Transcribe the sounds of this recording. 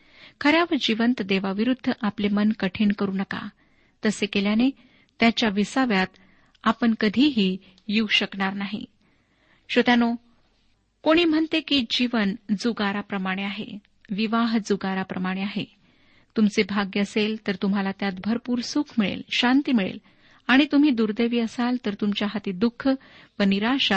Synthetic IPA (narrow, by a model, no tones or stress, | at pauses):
kʰəɾjaʋəd͡ʑiʋənt̪d̪eʋaʋiɾud̪ʱːəʔaplemənkəʈʰiːɳkəɾuːnəka̰ | t̪əsekeljane | t̪jat͡ɕjaʋisaʋjat̪ | apəɳkəd̪ʱiːɦiː | jiwɕəkɳaɾnaɦḭ | ɕot̪jano | koɽ̃iːm̤əɳt̪ekiːd͡ʑiʋənd͡zuɡaɾapɾəmaɽ̃eaɦḛ | ʋiʋaɦd͡zuɡaɾapɾəmaɽ̃eaɦe | t̪umt͡sebʱaɡjəəselt̪əɾt̪um̤alat̪jat̪bʱəɾpuːɾsukʰmiɭḛlɕant̪iːmiɭḛl | aɽ̃it̪um̤iːd̪uɾd̪eʋiːəsalt̪əɾt̪umt͡ɕjaɦat̪iːd̪ukʰː | ʋəniɾaɕa